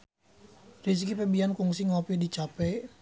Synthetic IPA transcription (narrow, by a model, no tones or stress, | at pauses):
riskipɛbiankuŋsiŋɔpidit͡ʃapɛj